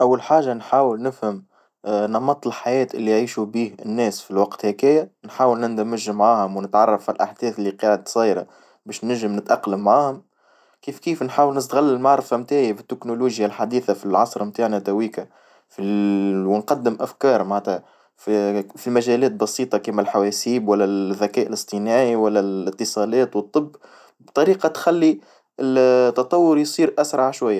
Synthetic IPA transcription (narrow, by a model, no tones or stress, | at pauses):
ʔawːalħaːʒːanħaːwɪlnɪfhəm | nɑmɑt̪ˤːllħajɛːt̪ʔɪlːiʕiːʃubiːhɪ̰nːɛːsfilwɑqt̪hækɪjːanħaːwəlnɪnd̪æmæʒːɪmːʕaːhʊmwnɪt̪ʕɑrˤːɑfːilʔaħd̪̥ɛːθɪlːiqɑːʕəd̪̚sˤɑːjɾɑ̰ | bɛːʃnɪʒɪmnɪt̪ʔɑqləmːʕaːhʊm | kiːfkiːfnħaːwəlnɪs̬t̪ɣalːɪlmaʕɾˤfamt̪aːʕjafɪt̪ːɪknuluːʒjalħad̪iːθafilʕɑsˤɾˤmt̪aːʕnat̪æwiːka | fiwnqɑd̪ːɪmʔæfkɑːɾˤmaʕæt̪hæ | fifilmæʒæːlɛːt̪̚bɑsiːt̪ˤɑkimælħawɛːsiːbwælːæðːækɛːʔəlɨsˤt̪ˤinaːʕiwælːælɪt̪ːɨsˤɑːlɛːt̪wət̪ˤːɨbː | bt̪ˤɑɾiːqɑt̪xælːi | ɪt̪ːɑt̪ˤɑwːʊɾjsˤiːɾʔæsɾˤɑʕʃwajːa